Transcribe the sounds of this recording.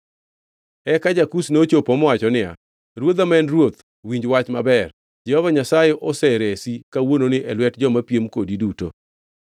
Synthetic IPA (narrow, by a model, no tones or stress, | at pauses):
ɛkad͡ʒakusnot͡ʃopomɔwat͡ʃɔnɪa̰ | ɾwod̪amɛnrwot̪ | wiɲd͡ʒwat͡ʃmabɛr | d͡ʒɛhɔvaɲasajeʔɔsɛɾesikawononɪʔɛlwɛtd͡ʒɔmapjemkodiduto̰